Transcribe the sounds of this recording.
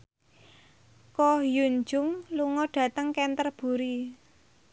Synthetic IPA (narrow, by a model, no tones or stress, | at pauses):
kɔjuɲd͡ʒʊŋluŋɔɖ̥ä̤t̪əŋkɛnt̪ərb̥ṳɾi